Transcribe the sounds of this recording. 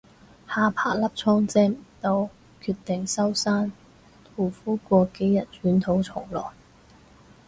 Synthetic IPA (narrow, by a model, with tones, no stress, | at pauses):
haː˨˧pʰaː˧˩k̚lɐ˥p̚t͡sʰɔː˥ŋt͡sɛː˥m˨˩t̪o˨˧˥w | kʰyː˧t̪ːɪ˨ŋsɐ˥wsaː˥n | t̪ʰuː˨˩fuː˥kʷɔː˧ke˨˥jɐ˨t̚t͡ʃyː˨˥nt̪ʰo˨˥wt͡sʰʊ˨˩ŋlɔ̰ː˨˩j